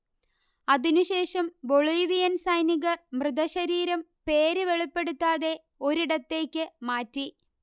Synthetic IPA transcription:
ɐðinuɕe̞ːʂɐmboɭujʋijɐnsɐjniɣɐrmrɨðɐɕɐɾiːɾɐmpe̞ːɾɨʋe̞ɭipːe̞ɽut̪ːaːðe̞ | o̞ɾiɽɐt̪ːe̞ːkʲːɨmaːtːi

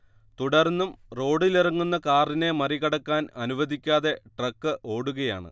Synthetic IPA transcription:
t̪uɽɐrnːumro̞ːɽilirɐŋːunːɐkaːrine̞mɐriɣɐɽɐkːaːnɐnuʋɐd̪ikʲːaːðe̞ʈrɐkːɨʔo̞ːɽuɣɐja̰ːɳɨ̰

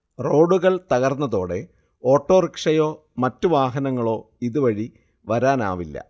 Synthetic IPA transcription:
ro̞ːɖuɣɐɭt̪ɐɣɐrnːɐðo̞ːɽe̞ | o̞ːʈːoːrikʂɐjo̞ː | mɐtːuʋaːɦɐnɐŋːɐɭo̞ː | iðuʋɐɻi | ʋɐɾaːna̰ːʋilːɐ̰

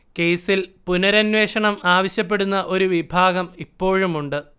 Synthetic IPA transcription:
ke̞jsilpunɐɾɐnʋe̞ːʂɐɳɐmaːʋɐɕjɐp̬ːe̞ɽunːɐʔo̞ɾuʋibʱaːɡɐmipːo̞ːɻumuɳɖɨ

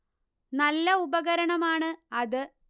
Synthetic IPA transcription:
nɐlːɐubɐɣɐɾɐɳɐmaːɳɨɐðɨ

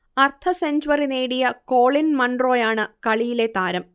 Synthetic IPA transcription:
ɐrt̪ʰɐsend͡ʑuʋɐrine̞ːɽijɐko̞ːɭinmɐɳɖro̞ːjaːɳɨkɐɭijile̞t̪aːɾɐm

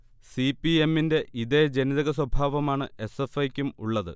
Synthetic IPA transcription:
sipːie̞mːinde̞ʔiðe̞d͡ʑeniðɐɣɐswɐbʱaːʋɐmaːɳɨe̞sefɐjkʲːumṵɭːɐðɨ̰

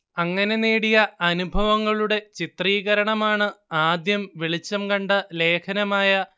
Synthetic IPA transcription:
ɐŋːɐne̞neːɽijɐɐnubʱɐʋɐŋːɐɭuɽe̞t͡ɕit̪riːɣɐɾɐɳɐmaːɳɨaːd̪jɐmʋiɭit͡ɕːɐmkɐɳɖɐle̞ːkʰɐnɐmaːjɐ

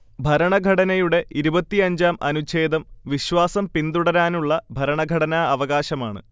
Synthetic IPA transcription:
bʱɐɾɐɳɐɡʱɐɽɐnɐjuɽe̞ʔiɾubɐt̪ːiɐɲd͡ʑaːmʔɐ̰nut͡ɕe̞ːd̪ɐmʋiɕʋaːsɐmpind̪uɽɐɾaːnuɭːɐbʱɐɾɐɳɐɡʱɐɽɐnaɐʋɐɣaːɕɐmaːɳɨ̰

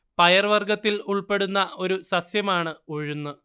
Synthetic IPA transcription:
pɐjɐrʋɐrɡɐt̪ːiluɭpe̞ɽunːɐʔo̞ɾusɐsjɐmaːɳɨoɻunːɨ

